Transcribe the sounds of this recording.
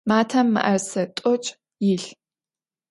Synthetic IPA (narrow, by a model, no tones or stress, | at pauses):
maːtʰɐmːɨ̰ʔɐrsɐtʼʊt͡ʃʼ | jɪɬ